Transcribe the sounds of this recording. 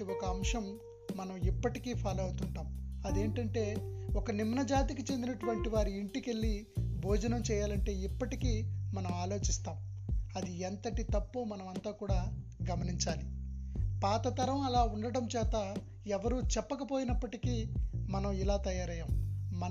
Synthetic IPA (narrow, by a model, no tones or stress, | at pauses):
iɔkɐːmʂɐmː | ɐnɐmipːɐʈikiːpʰaːlɐwut̪uɳʈaːmɐd̪e̞ːɳʈɐɳʈe̞ːɔkɐnimnɐd͡ʒaːt̪ikit͡ʃe̞nd̪inɐʈuʋɐɳʈiʋaːɾiiɳʈike̞ɭːibʱoːd͡ʒɐnɐmt͡ʃɛːjaːlɐɳʈe̞ːipːɐʈikiːmɐnɐmaːlo̞ːt͡ʃist̪aːm | ɐd̪iɛnt̪ɐʈit̪ɐpːuːmɐnɐmɐnt̪aːkuːɽaː | ɡɐmɐniɲt͡ʃaːlipaːt̪ɐt̪ɐɾɐmɐlaːuɳɖɐɽɐmt͡ʃɛːt̪a | ɛʋɐɾuːt͡ʃɛpːɐkɐpo̞ːjinɐpːɐʈikiːmɐnɐmilaːt̪ɐjaːɾɐjɐːmmɐ